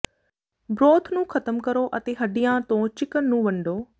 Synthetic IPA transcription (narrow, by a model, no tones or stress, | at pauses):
bɾoːt̪ʰnũːkʰət̪əmkəɾoːʔət̪eːɦəɖɪjãːt̪õːt͡ʃɪkənːũːʋəɳɖoː